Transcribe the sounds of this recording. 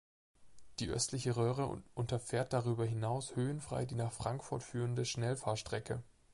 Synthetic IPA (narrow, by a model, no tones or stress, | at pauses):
d̥iːʔœ̰stlɪçəʁøːʁəʔʊntɐfɛːɐt̚d̥aʁyːbɐɦɪnaʊshøːənfʁ̥a̰ɪdiːnaːχfʁ̥aŋkfʊɐtfyːʁəndəʃnɛlfaːɐʃtʁ̥ɛkʰə